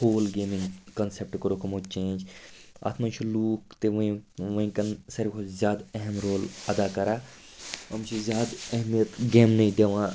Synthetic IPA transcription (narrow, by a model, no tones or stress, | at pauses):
hoːlɡeːmɪ̃ŋɡkɐnsep̚ʈkoɾoːkʰmõːt͡ʃẽːnd͡ʒa̰ːt̪ʰmãːʃʰuluːkt̪eʋĩʋɐĩkɐnsɐɾikʰozʲjaːd̪ɛɦɛmɾoːlɐd̪aːkɐɾaː | ɐmt͡ʃʰizjaːd̪ɛɦmijət̪ɡeːmnɐĩːd̪eːʋãː